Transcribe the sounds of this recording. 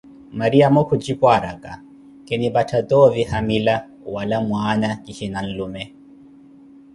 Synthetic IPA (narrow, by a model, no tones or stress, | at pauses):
maɾiamɔkʰud͡ʒipwaɾakʼa | kɛnibatʰat̪ɔvihamila | walamwaːnakiʃinan̩lumɛ